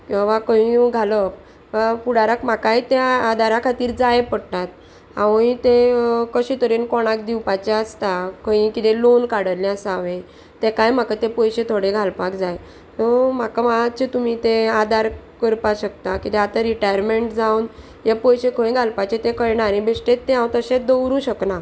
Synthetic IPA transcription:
kʋakəĩɡʱaləp | apuɽaɾakm̤akajt̪ead̪ʱaɾakʰat̪iːɾd͡zajpəɽt̪at̪̚ | a̰ʋĩt̪ekəɕit̪əɾenkɔɽ̃akd̪iwpat͡ɕeəst̪akʰə̃ĩkit̪elonkaɽəɾlãəsaʋẽ | t̪ekajm̤akat̪epəjɕẽt̪ʰoɽeɡʱalpakd͡zaj | t̪ɔm̤akamaɦat̪̚t͡ɕet̪um̤it̪ẽad̪aɾ | kəɾpaɕək̚t̪akit̪ɛat̪aɾiʈajəɾmeɳʈd͡zawn | jepəjɕekʰəĩɡʱalpat͡ɕet̪ẽkəɾɳaɾẽbʱesʈet̪ːeɦãwt̪əɕẽd̪əwɾũɕəkna

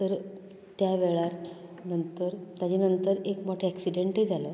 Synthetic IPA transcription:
t̪əɾ | t̪jaʋeɭaɾ | nənt̪əɾt̪jad͡ʑenənt̪əɾekmɔʈʰeɛksiɖeɳʈɦed͡zalə

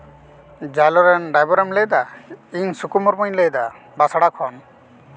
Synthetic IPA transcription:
d͡ʒalɔɾɛnɖajbɔɾɛmlɛd̪aiɲsukumɔɾmɔɲlɛjd̪a | basaɽakʰɔn

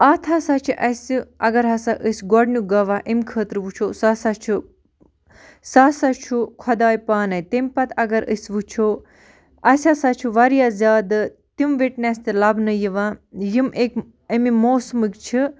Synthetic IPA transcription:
at̪ʰasat͡ʃʰiʔɐsʲɐ̰ɡɐɾɦɐsaʔəsʲɡɔɖnuɡɐʋaʔəmkʰəːt̪ɾʋut͡ʃʰoːsasat͡ʃʰu | sasat͡ʃʰukʰɔd̪aːjpaːnɐjt̪emʲpɐt̪ɐɡɐɾə̰sʲʋut͡ʃʰoː | ɐsʲasat͡ʃʰuʋɐɾijazʲaːd̪ɨ | t̪imʋeʈnʲɛst̪ilɐbnəjiʋãːjimek | əmimoːsmɨkt͡ʃʰi

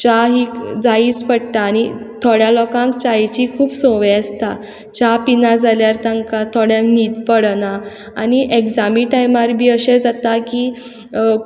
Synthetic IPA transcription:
t͡ɕaɦiːd͡zaispəɽt̪aːñit̪ʰoɽjãlɔkãŋkt͡ɕajt͡ɕikʰuːbsɔ̃ʋjast̪ʰa | t͡ɕapinad͡zaljaɾt̪ãŋkat̪ʰɔɽjãŋkniːd̪pəɽna | a̰niʔekd͡zamiːʈajmaɾbʱiːəɕɛ̃d͡zat̪aki

